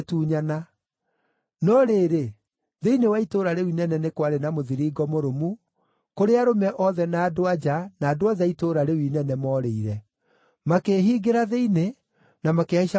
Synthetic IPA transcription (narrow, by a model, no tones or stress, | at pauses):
tuːɲana | nɔɾeːɾe | ðeinewaitoːɾaɾewinɛnɛnekwaɾenamoðiɾiːɡɔmoɾomu | koɾeaɾomɛʔɔðɛnaːdoad͡ʒanaːdoaðaitoɾaɾewinɛnɛmɔɾeiɾɛ | makeːɦiɡeɾaðeine | namakeaiʃa